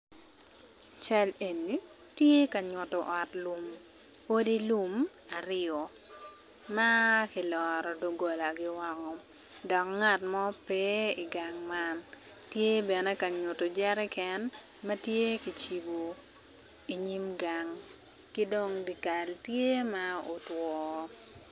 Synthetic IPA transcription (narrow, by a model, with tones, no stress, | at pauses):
t͡ʃɛ˦le˨ni˨ | tje˦ka˨ɲʊ˨tɔ˨ʔɔ˨tlu˨m | o˦di˦lu˦m | a˨ɾɪɔ˨ | ma˦kɪ˨lɔ˨ɾɔ˨do˨ɡo˨la˨ɡɪ˦wa˦kɔ | dɔ˨kŋa˦˨tmɔ˦pe˦i˨ɡa˨ŋma˦n | tje˦bɛ˨nɛ˦ka˨ɲʊ˨to˨d͡ʒɛ˦ɾɛ˦kɛ˦n | mɐ˦tje˦ki˨t͡ʃi˨bo˨ | i˨ɲi˦mɡa˨ŋ | kɪ˦do˦ŋdi˨ka˨ltje˦ma˦o˨twɔː˨